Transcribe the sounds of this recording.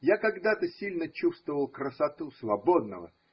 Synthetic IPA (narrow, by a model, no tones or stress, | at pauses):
jakɐɡd̪at̪əsʲilʲnət͡ɕust̪vəvəlˠkɾəsɐt̪usvɐbod̪nə̰və̰